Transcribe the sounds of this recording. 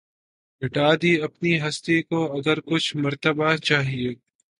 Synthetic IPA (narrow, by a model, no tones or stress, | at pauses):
bɪʈaːd̪iɐpniɦɐst̪ekoɐɡəɾkʊt͡ʃʰmɐɾt̪əbat͡ʃaːɦieː